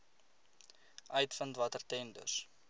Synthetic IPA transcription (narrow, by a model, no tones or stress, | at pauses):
ʔœɥtfəntvɐtərtɛndə̰s